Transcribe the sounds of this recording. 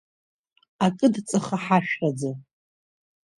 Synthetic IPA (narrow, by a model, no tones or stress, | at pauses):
akʼɨdt͡sʼɨχaħaʃᶣad͡za